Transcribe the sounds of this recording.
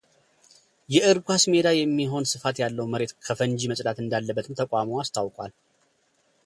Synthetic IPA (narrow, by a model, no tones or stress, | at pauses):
jɛʔɨɾɡʷhasme̞d̪ajɛmːiɦo̞nsɨfat̪jalːəwməɾe̞t̪kʰəfənd͡ʒiməsʼd̪at̪ɨnd̪alːəbːət̪ɨmt̪ʰəkʼaməwast̪ʰawkʼwal